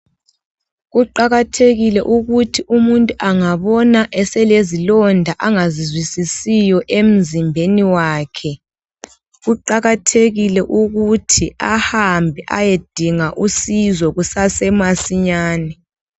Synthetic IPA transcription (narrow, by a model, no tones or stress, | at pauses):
ɣuǃaɣatʰeɣilɛʔuɣutʰiʔumuntʼuʔaŋaβɔnaʔɛsɛlezilɔndʱaʔaŋazizwisisijɔʔem̩zimbʱeniwaːkʰɛ | ɣuǃaɣatʰeɣilɛʔuɣutʰiahambʱɛʔa̰jed̥ʱiŋaʔusizɔɣusasɛmasiɲaːnɛ